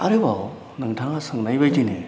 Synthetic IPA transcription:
aɾɯbaw | nɯŋtʰaŋasɯŋnajbajdine

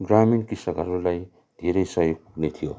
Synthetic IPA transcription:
ɡɾaminkisaɡʱʌɾulaj | d̪̥ʱeɾejsajok̚puknet̪ʰijo

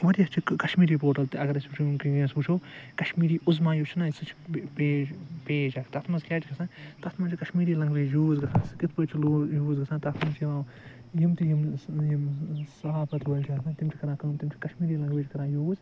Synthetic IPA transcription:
ʋɐɾiɐst͡ʃʰikɐʃmiːɾiːpoːʈɐlt̪iɐɡɐɾɐsut͡ʃʰikiẽsuːt͡ʃʰoːkɐʃmiːɾiːʔʊzmãːjut͡ʃʰinasɨt͡ʃʰpeːpeːd͡ʒakʰt̪ɐt̪ʰmɐzkʲeːt͡ʃiɡɐsʰãːt̪ɐt̪ʰmãːt͡ʃʰikɐʃmiːɾiːlɐŋɡʋeːjuːzɡɐsʰãːskit̪ʰpəːt͡ʃʰiluːjuːzɡɐsʰãːt̪ɐt̪ʰmɐnt͡ʃʰjiʋãː | jimt̪ijimjimsɐɦaːpɐt̪ʰʋɐlʲt͡ʃʰiɡɐsʰãːt̪imt͡ʃʰikɐɾãːkɐmt̪imt͡ʃʰi̥kɐʃmiːɾiːlɐŋɡʋeːt͡ʃʰʲkɐɾãːjuːz

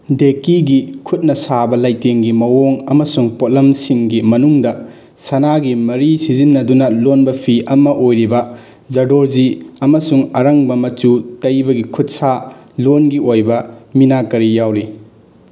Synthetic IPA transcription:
dekiɡikʰut̚nɐsabɐlajteŋɡimɐwoŋɐmɐsuŋpot̚lɐmsiŋɡimɐnuŋdɐ | sɐnaɡimɐɾisizinːɐdunɐlonbɐpʰiʔɐmɐʔojɾibɐ | zɐdoɾziɐmɐsuŋɐɾɐŋbɐmɐt͡ʃutɐjbɐɡikʰut̚sa | lonɡiʔojbɐminakɐɾijawɾi

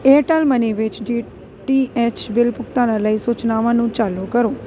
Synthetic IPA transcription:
eːʈɛlməniːʋɪt͡ʃɖiː | ʈiːɛːt͡ʃbɪlpʊk̚t̪ãːnãːləiːsʊːt͡ʃnaːʋãːnũːt͡ʃaːluːkəɾoː

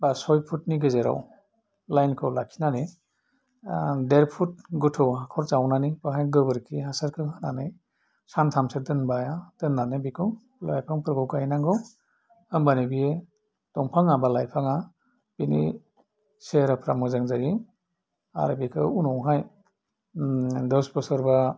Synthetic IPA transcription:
basɔjpʰutniɡɯzeɾa̰w | lajnkʰɯwlakʰi̥nani | deɾpʰut̚ɡɯtʰɯwɦakʰɔɾt͡ʃawnanipaɦajɡɯbɯɾkʰiɦasaɾkʰɯhananɯj | santʰamsedɯnbajadɯnːanebikʰɯw | la̰jpʰaŋpɯɾɡɯwkajnaŋɡɯw | ɯmbanibie | d̥ɔŋpʰaŋabalajpʰaŋa | b̥inḭ | seɾapʰɾamɯzaŋzaji | a̰ɾbikʰɯ̰unɔwɦaj | dɯspɔsɯɾba

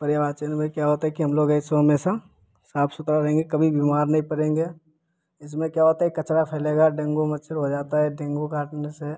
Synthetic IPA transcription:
pɐɾjabaːt̪t͡ʃenebʱaikjaɦoːt̪aɦɛkiɦɐmloːɡɛɪsoɦɐmeːʃa | saːpʰsʊt̪ɾaɾɐɦẽːŋɡekɐbʱibiːmaːɾnɐɦĩpɐɾẽːŋɡe | ɪsmẽkjaɦoːt̪aɛikɐt͡ʃɾapʰɛːleːɡaɖẽːŋɡomɐt͡ʃʰəɾɦod͡ʒaːt̪aɦɛɖẽːŋɡokaːʈnese

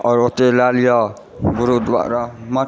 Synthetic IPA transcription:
ʌɾot̪elalijʌ | ɡuɾud̪wa̰ɾama

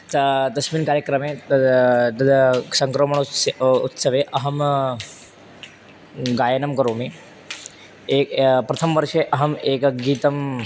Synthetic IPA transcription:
t̪ɐd̪ɐsmiːnkaːɾjɐkɾɐmeː | t̪ɐd̪sɐŋkɾomɐɳṵt̪sɐʋeːʔɐɦɐm | ɡaːjɐnɐmkɐɾoːmi | eːkpɾɐt̪ʰɐmʋɐɾʂeʔɐɦɐmeːkɐɡiːt̪ɐm

